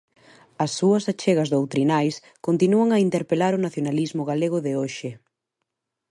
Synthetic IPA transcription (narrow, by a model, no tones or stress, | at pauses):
ɐsːuɐsat͡ʃeɣɐzðowt̪ɾinajs | kont̪inuɐŋɐint̪eɾpelaɾʊnaθjonalizmʊɣaleɣʊðɪoʃɪ